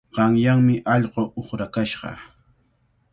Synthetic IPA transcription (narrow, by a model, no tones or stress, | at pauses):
ɢɑŋjaŋmɪʔɑʎɢoʔoχɾakaʃɢɑ̰